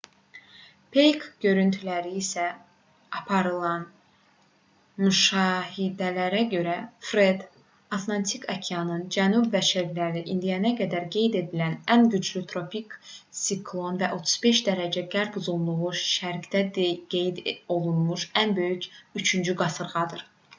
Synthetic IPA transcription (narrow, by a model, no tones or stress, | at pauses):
pʰejkɟø̞ɾynt̪ʰylæɾiːsæ | ɑpʰɑɾɯlˠɑn | myʃɑːhid̪ælæɾæɟø̞ɾæfɾe̞d̪ | ɑt̪ʰlˠɑnt̪ʰikʰɑcʰijɑnɯnd͡ʒænubvæʃeɾɡlæɾiʔind̪ijænæɡæd̪æɾɡe̞jd̪e̞d̪ilænænɟyd͡ʒlyt̪ʰɾo̞piksikʰlˠo̞nvæʔo̞t̪ʰu̥zbe̞ʃd̪æɾæd͡ʒæɡæɾbuzullˠuʁuʃʃæɾɡd̪æd̪ɡejd̪o̞lˠunmuʃænbø̞jycyt͡ʃʰynd͡ʒyɡɑsɯɾʁɑd̪ɯɾ